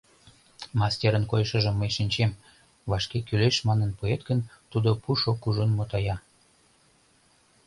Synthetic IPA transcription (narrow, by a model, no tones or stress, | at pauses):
mɑstʲeɾənkojʃəʒəmːəjʃinʲt͡ɕem | βɑʃkekyleʃmɑnənpuet̪̚ɡənt̪ud̪opuʃokuʒonmot̪ɑjɑ